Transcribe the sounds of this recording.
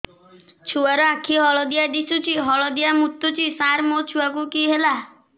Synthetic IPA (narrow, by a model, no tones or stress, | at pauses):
t͡ʃʰuaɾɔãkʰiɦɔɭɔd̪ijad̪isut͡ʃʰiɦɔɭɔd̪ijamut̪ːut͡ʃʰisaɾmot͡ʃʰuakukiɦela